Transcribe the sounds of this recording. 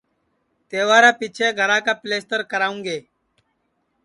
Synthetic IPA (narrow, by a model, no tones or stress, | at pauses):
t̪eːʋaːɾaːpiːt͡ʃʰeːɡʱəɾãːkaːpleːst̪əɾkəɾaːũːŋɡeː